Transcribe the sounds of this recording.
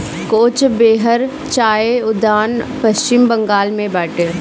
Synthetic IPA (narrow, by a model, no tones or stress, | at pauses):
koːt͡ʃbeːɦəɾ | t͡ʃaːeʊd̪aːnpɐst͡ʃɪmbɐ̃ŋɡaːlmẽbɛːʈəɾ